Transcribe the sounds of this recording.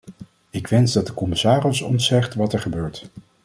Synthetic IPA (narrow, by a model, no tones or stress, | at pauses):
ɪkʋɛnzdɑd̚əkɔmɪsaːrɪsɔ̰ntsɛχtʋɑtɛɹχəbøːɹt